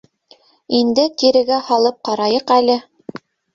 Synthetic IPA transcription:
ind̪ɘkiɾɘ̆ɡæhɑlˠɤp̚qɑɾɑjɤqælɘ

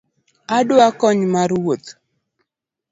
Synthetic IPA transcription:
adʊakɔɲmaɾwot̪

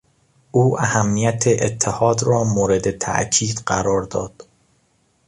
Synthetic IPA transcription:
ʔuːʔæhæmːijæt̪ʰeʔet̪ʰːehɒːd̪ɾɒːmoːɾed̪et̪ʰæ̰ʔcʰiːd̪̥ɢæ̰ɾɒːɾd̪ɒːd̪̥

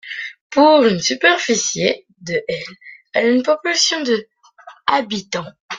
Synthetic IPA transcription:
puʁynsypɛʁfisje | d̪əʔɛl | ɛ̰laynpɔpylasjɔ̃d̪ə | abit̪ɑ̃

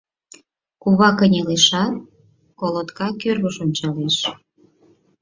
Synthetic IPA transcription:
kuβɑkənʲeleʃɑt̪̚ | kolot̪kɑkørɣəʃonʲt͡ɕɑleʃ

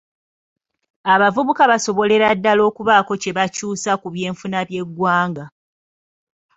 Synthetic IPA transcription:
aβavuβukaβaso̞βo̞le̞ɾadːalo̞ːkuβaːko̞ce̞βacuːsakuβje̞ːɱfunaβje̞ɡwaːŋɡa

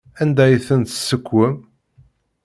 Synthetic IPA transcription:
ænd̪æjθənt̪sːəkʷːəm

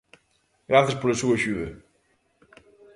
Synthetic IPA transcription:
ɡɾaθɐspolɐsuɐʃuɣɐ

